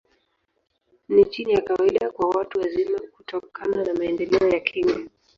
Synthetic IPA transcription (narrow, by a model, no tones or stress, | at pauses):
nit͡ʃinijakawaiɗakwawatuwazimakutɔkʰananamaɛndɛlɛɔjakʰiŋɡa